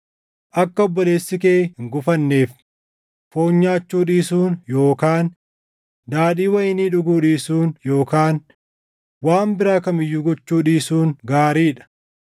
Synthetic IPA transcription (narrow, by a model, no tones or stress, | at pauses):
ʔɐkːɐɔbːɔle̞ːsːɪkeːhɪŋɡʊfɐnːe̞ːf | fo̞ːɲːaːt͡ʃːuːᶑiːsuːnjo̞ːkaːn | d̪aːᶑiːwɐjɪniːᶑʊɡuːᶑiːsuːnjo̞ːkaːn | waːmbɪɾaːkɐmɪjːuːɡɔt͡ʃːuːᶑiːsuːnɡaːɾiːᶑɐ̥